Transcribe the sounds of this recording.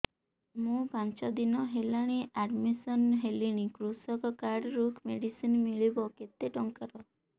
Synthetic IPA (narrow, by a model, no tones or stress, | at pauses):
mũpant͡ʃɔd̪inɔɦelaɽ̃iaɖmisɔnɦeliɽ̃ikɾusɔkɔkaɾɖɾukʰmeɽisinmiɭibɔket̪eʈɔŋkaɾɔ